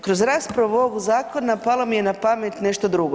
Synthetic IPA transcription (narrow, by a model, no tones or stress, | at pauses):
kɾozɾaːspɾaʋuoɡuzaːkonːapalˠomijenapamet̪ne̞ʃt̪od̪ɾuɡo